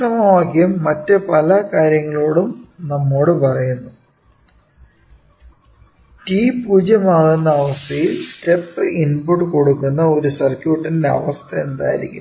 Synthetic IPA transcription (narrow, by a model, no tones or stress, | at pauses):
ɐmɐaːkːijɐmːɐtːɨpɐlɐkaːɾjɐŋːɐɭo̞ːɽumnɐmːo̞ːɽɨpɐrɐjunːu | tiːpuːd͡ʑɐmaːɣunːɐːʋɐst̪ʰɐjilsʈepːɨʔinpuʈːɨko̞ɽukːunːɐo̞ɾusɐrkjuːʈːɐndeɐ̰ʋɐst̪ʰɐend̪a̰ːjḭɾḭkʲːṵ